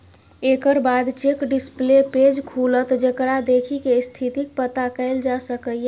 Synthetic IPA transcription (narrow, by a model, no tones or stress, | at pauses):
ekəɾbad̪t͡ʃekɖispleped͡ʒkʰulət̪d͡ʒekɾad̪ekʰikest̪ʰit̪ik̚pət̪akəɪld͡ʒasəkəe